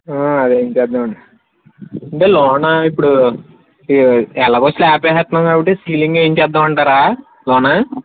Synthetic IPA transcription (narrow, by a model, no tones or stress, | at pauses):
aɐd̪eːɲt͡ʃɛd̪ːaːmɐɳ | ɐɳʈeːlɔːnɐipːuɽu | ɛlaːkot͡ʃːlaːpɛːɦɐt̪nɐŋɡaːbiʈesiːliŋɡeːɲt͡ʃɛːd̪ːaːmɐɳʈaːɾaː | lɔːna